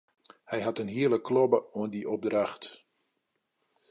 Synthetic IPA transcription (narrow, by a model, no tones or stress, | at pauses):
hɛjɦatənɦiələkʰːlɔbəuəndiʔɔb̚draxt